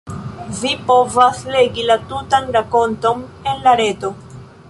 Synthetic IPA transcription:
vipo̞vasle̞ɡilatutanɾako̞nto̞me̞nlaɾe̞to̞

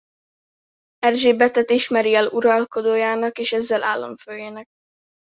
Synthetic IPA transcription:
ɛrʒeːbɛt̪ɛt̪iʃmɛɾiɛluɾɒlko̞d̪oːjaːnɒkeːʃɛzːɛlʔa̰ːlːo̰ɱføːjeːnɛk̚

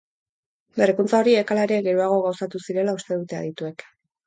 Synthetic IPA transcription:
berekunt͡sao̞ɾiekalaɾiaɣe̞ɾuaɣ̞o̞ɣawsat̪usiɾe̞laust̪e̞ðut̪e̞a̰ðit̪ue̞k

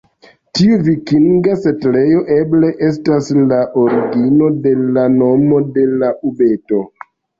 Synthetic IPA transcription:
tiuvikiŋɡase̞tle̞jo̞ʔe̞ble̞ʔe̞s̬taslaʔo̞ɾiɡino̞de̞lano̞mo̞de̞laʔube̞to̞

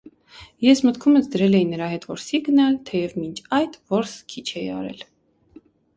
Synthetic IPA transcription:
jɛsmət̪kʰumət͡sd̪əɾɛlɛjinːəɾɑhɛt̪vɔɾsiɡənɑlt̪ʰɛjɛvmint͡ʃʰɑjt̪vɔɾskʰit͡ʃʰɛjɑ̰ɾɛ̰l

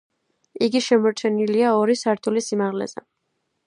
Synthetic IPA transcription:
iɡiʃɛmɔɾt͡ʃʰɛniliaɔɾisaɾt̪ʰulisimaʁlɛ̰z̥ɛ̰

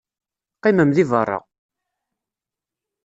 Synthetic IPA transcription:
qːiməmðivərˤːɑ̰

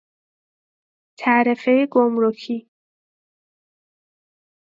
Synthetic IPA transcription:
t̪ʰæʔɾefejeɡomɾocʰiː

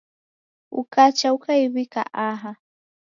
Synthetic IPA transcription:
ʊ̰kat͡ʃawkajwɪka̰ʔaɦa

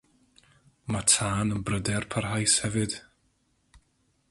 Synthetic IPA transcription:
matʰaːnənbrədɛrpʰarɦajshɛvɨd̥

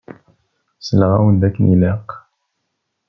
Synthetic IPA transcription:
səlʁa̰wənd̪ækːniləq

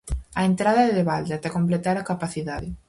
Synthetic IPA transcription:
aent̪ɾaðɐðeβald̪eat̪ɛkomplet̪aɾakapaθiðaðɪ

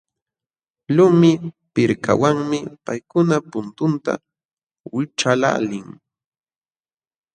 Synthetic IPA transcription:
lʊmɪ | pɪɾka̰waŋmɪpajkʊnapʊnt̪ʊnt̪a̰ | wɪʈ͡ʂala̰lɪŋ

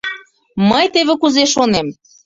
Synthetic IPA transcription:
məjt̪eβĕkuzeʃonem

